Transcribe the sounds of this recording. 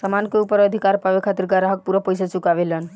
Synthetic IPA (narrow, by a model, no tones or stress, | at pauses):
samankeupəɾəd̪ʱikaɾpabekʰat̪iɾɡaɾaɦək̚puɾəpəjsat͡ʃukaβelən